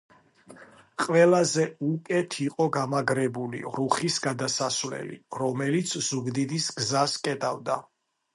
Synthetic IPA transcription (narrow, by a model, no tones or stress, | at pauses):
qʼwɛlˠazɛukʼɛt̪ʰiqʼɔɡamaɡɾɛbulḭʁɾuχisɡad̪asasvlɛ̰lḭɾɔmɛlit̪sʰz̥uɡd̪id̪isɡzaskʼɛt̪ʼavd̪a